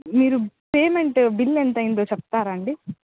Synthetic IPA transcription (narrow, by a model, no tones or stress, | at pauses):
miːɾupe̞ːmeɳʈbilːent̪ɐjind̪oːt͡ʃɛp̚t̪aːɾɐɳɖi